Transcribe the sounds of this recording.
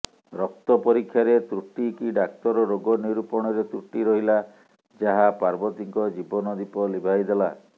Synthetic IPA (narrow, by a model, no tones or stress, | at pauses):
ɾɔk̚t̪ɔpɔɾikʰjaɾet̪ɾuʈikiɖak̚t̪ɔɾɔɾoɡɔniɾupɔɽ̃ɔɾet̪ɾuʈiɾɔɦila | d͡ʒaɦapaɾbɔt̪iŋkɔd͡ʒibɔnɔd̪ipɔlibʱajd̪ela